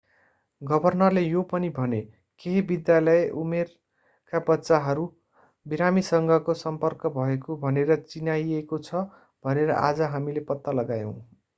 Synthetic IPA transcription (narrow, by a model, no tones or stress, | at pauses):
ɡʌbʱʌrnʌrlejopʌnibʱʌne | keɦibid̪jalʌeʔumer | kabʌtːsaɦʌɾu | biɾamisʌŋɡʱʌkosʌmpʌrkʌbʱʌekobʱʌneɾʌt͡sinajekot͡sʰʌ | b̥ʱʌneɾʌ̰ʔad͡zʌɦamilepʌt̪ːalʌɡajʌ̰̃w̃